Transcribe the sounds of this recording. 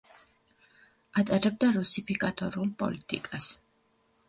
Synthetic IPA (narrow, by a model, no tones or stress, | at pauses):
at̪ʼaɾɛb̚d̪aɾusipʰikʼat̪ʼɔɾulˠpʼɔ̰lit̪ʼḭkʼas